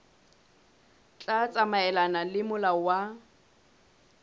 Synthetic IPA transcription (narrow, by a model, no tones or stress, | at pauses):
t͡ɬʼat͡sʼamaɛlanalɪmʊlawa